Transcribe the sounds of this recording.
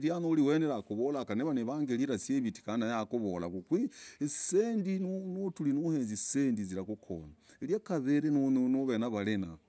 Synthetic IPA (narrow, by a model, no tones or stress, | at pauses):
ɾjanoliweːneɾakuβolakaneβaneβaːŋɡeliɾasjeβiti̥kanajakuβola̰kukwiesendinunotulinuheːnzisendiziɾakukʰo̰naeljakaðeɾenununoβenaβalena